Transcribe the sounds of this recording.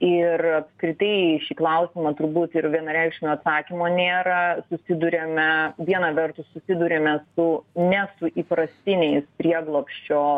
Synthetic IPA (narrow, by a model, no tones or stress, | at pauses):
ɪrɐpskɾʲɪt̪ɐɪʃʲiːklˠɐʊsʲɪmɐt̪ʊɾbuːt̪ɪɾʋʲiɛnɐɾʲɛɪkʃʲɪnʲoːɐt̪sɑːkʲimoːnʲeːɾɐsʊsʲɪd̪uɾʲeːmʲɛʋʲiɛnɐʋʲɛrt̪ʊssʊsʲɪd̪ʊɾʲeːmʲɛsʊnʲɛsʊʔiːpɾɐsʲt̪ʲɪnʲɛɪspʲɾʲiɛɡlˠoːpʲʃʲt͡ʃʲoː